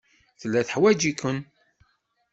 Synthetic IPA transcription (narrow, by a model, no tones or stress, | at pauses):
θəlːæθəħwæd͡ʒikən